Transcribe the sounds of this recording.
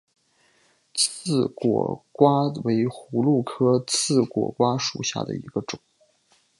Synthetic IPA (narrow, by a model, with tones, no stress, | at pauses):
t͡s̩ʰ˥˩kwɔ̰˨˩kwa˥we˧˥ɪxu˧˥lu˥˩kʰɤ˥t͡sʰɹ̩˥˩kwɔ̰˨˩kwa˥ʂu˨˩ɕja̰˥˩d̪ə̰˩ḭ˧˥ɡə˧ʈ͡ʂʊ˨˩˦ŋ